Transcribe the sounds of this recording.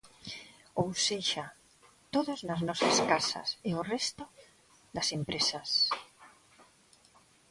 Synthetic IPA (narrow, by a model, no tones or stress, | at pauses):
owseʃa | t̪oðʊznaznɔsaskasa̰sɪʊrɛst̪ʊ | ðɐsempɾesas